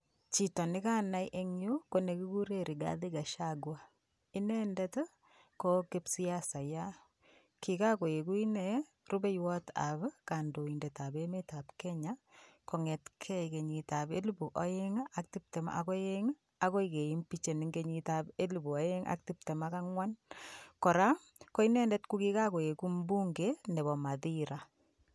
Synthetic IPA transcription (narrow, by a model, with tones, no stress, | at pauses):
t͡ʃi˨tɔ˨nɪ˦ka˦na˦jʔe˦ŋjo˦ko˨ne˨ki˦ku˦ɾe˨ɾi˨ɡa̰˦ði˦ɡa˨ʃaɡwa˦ | ɪ˦nɛ˦ndɛt | ko˦kɪ˦psi˦ja˦sa˨ja˦ | ki˨ka˦ko˨je˨ku˦i˦nɛ | ru˦bɛ˦jwɔ˦ta̰˨bka˨ndo˨i˨ndɛ˨ta˨be˦meta˨pkɛ˦ɲa˦kɔ˨ŋɛ˨tkʰɛ˦ke˨ɲi˨ta˨bḛ˦lbu˨ʔɔ˦je˦ŋa˦k̚ti˦p̚te˨m̰a̰˨kɔ˦je˦ŋ | a˨ko˦ike˨i˦mpi˦t͡ʃe˨ni˨ŋɡe˦ɲi˦tabe˦lu˨bu˨ɔ˨˦je˦ŋʔa̰˦k̚ti˦p̚te˨ma˦ka˦ŋwa˦nkɔ˨ɾa˦ | ko˦i˦nɛ˦nde˦tku˦ki˦ka˦ko˨e˨ku˦mbu˦ŋɡenɛ˨bɔ˨ma˨ði˦ɾa˨